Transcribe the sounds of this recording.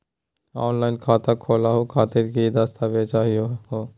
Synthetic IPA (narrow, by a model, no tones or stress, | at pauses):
ɔːnlaːɪnkʰaːt̪akʰoːlaɦokʰaːt̪ɪɾkid̪ast̪ʰaʋet͡ʃaːɦioɦoː